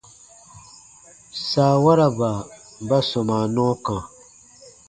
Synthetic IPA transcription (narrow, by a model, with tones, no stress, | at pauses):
saː˨wa˦ɾa˨ba˨ | ba˦sɔ˨ma˨nɔ˦kã˨